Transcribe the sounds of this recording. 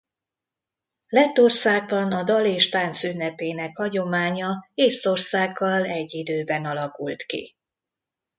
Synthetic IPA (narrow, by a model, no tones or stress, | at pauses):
lɛt̪ːo̞rsaːɡ̚bɒnɒd̪ɒleːʃt̪aːnt̪synːɛpeːnɛkhɒɟo̞maːɲɒeːst̪o̞rsaːɡːɒlɛɟːid̪øːbɛnɒlɒkult̪kḭ